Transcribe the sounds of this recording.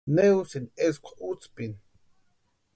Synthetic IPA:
newsineskʷʰḁʔut͡spin

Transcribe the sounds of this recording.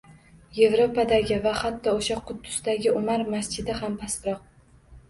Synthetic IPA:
je̞vɾo̞pad̪aɡʲɪvahat̪ʰːɒoʃaqʰʊd̪ːʊ̥sd̪aɡʲɪʊmaɾmast͡ʃɪd̪ɪhampʰaspɾɒq̚

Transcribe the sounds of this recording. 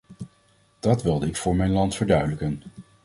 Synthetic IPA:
d̥ɑtʋɪlˠdəɪkfʊːɹmɛjnlɑntfəɹdœɥdələkən

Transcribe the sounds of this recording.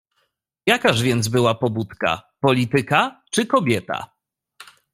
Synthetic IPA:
jakaʐvʲjɛnd̪zbɘwapɔbut̪ka̰pɔlʲit̪ɘkat͡ʂɘkɔbʲjɛt̪a̰

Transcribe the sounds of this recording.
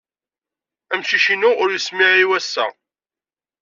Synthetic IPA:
æmʃiʃinʊʊɾjismɪʕiwæsːæ̰

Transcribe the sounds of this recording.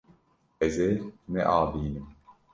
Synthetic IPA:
ɛzenɛ̰ʔaːbiːnɨm

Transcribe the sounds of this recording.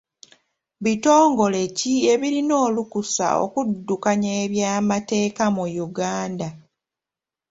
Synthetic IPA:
βito̞ːŋɡo̞le̞cie̞βiɾino̞ːlukusa̰o̰kudːukaɲaːβjaːmate̞ːkamujuɡaːnda

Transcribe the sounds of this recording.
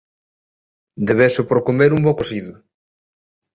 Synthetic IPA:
d̪eβɛsʊpɾokomeɾumbokosiðʊ

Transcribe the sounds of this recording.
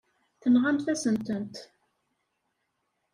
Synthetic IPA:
θənʁamθæsənt̪ənt̪

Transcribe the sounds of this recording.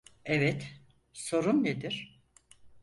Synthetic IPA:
ɛvɛt̪ | so̞ɾunned̪iɾ̥

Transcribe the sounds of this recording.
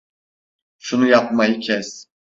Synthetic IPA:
ʃunujap̚majɯcʰɛs

